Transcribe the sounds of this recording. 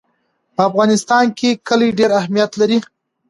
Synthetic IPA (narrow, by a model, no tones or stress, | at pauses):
pəafɣɑnɪst̪ɑnkekəliɖeɾahmijat̪laɾi